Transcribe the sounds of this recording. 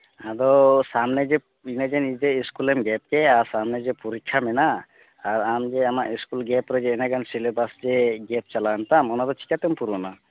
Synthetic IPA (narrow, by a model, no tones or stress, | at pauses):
ad̪ɔsamned͡ʒe | ined͡ʒɛnid͡ʒeiskulɛmɡɛp̚keaɾsamned͡ʒɛpuɾikʰːamɛna | aɾamd͡ʒeamaʔiskulɡɛpɾɔd͡ʒɛːnɛɡansilebasd͡ʒeɡɛp̚t͡ʃalant̪amɔnad̪ɔt͡ʃʰi̥kat̪ɛmpuɾɔna